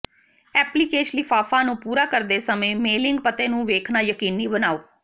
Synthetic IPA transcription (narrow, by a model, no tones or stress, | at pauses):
ɛːpliːkeːʃniːfaːfãːnũːpuːɾaːkəɾd̪eːsəmẽːmeːlɪŋɡpət̪eːnũːʋeːkʰnaːjəkiːnːiːbənaːoː